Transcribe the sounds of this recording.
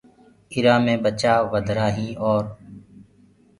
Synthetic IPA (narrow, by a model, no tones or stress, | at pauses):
ɪɾãːmẽːɓət͡ʃaːʋəd̪ʱɾaːɦĩːɔːɾ